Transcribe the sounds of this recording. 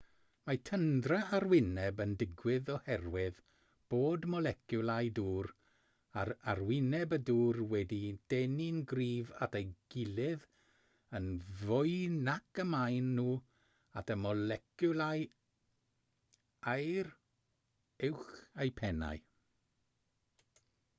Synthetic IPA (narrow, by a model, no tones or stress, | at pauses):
matʰəndraarwɪnɛbəndɪɡwɪðɔhɛrwɪð | b̥oːdmɔlˠɛkʰjʊlˠajduːr | aɾarwɪnɛbəduːrwɛdid̥ɛninɡriːva̰tʰejɡ̥ɪlɪð | ənvʊɨnakəmajnːuː | atʰəmɔlɛkjʊlˠaj | ajr | ɪwχejpʰɛna̰j